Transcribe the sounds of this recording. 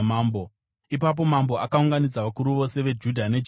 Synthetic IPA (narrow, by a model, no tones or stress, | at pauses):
maːmbo | ipap̬o̞mambo̞ʔakauŋɡanid͡zaʋakuɾuʋo̞se̞ʋe̞d͡ʒudʱane̞d͡ʒ